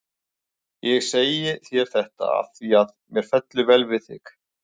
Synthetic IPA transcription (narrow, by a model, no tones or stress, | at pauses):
jɛɣseːjɪθjɛɾ̥θɛht̪a̰a̰θiaðmjɛɾ̥fɛt̪lʏvɛlvɪθɪ̰k